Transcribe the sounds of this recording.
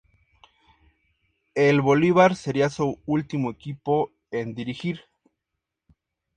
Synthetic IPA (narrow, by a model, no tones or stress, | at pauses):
elβo̞liβaɾse̞ɾiasuult̪imoekipo̞ | end̪iɾixiɾ